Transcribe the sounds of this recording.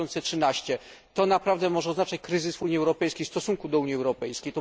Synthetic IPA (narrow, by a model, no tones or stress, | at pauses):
ɔnt̪sɛtʂɘnaɕt͡ɕɛ | t̪ɔnapɾavd̪ɛmɔʐɛɔznat͡ʂat͡ɕkɾɘzɘsuɲiɛwɾɔpɛjskʲejfst̪ɔsuŋkud̪ɔuɲiɛwɾɔpɛjskʲejt̪ɔ